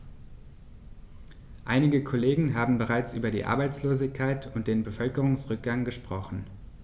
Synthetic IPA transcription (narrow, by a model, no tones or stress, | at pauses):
ʔa̰ɪnɪɡəkʰoleːɡŋ̩ɦaːbm̩bəʁ̞aɪt͡sʔy̰ːbɐdḭːʔa̰ɐbaɪt͡sloːzɪçkʰaɪtʰʊntd̥eːnbəfœlkəʁʊŋsʁʏk̚ɡ̥aŋɡəʃpʁ̥ɔχn̩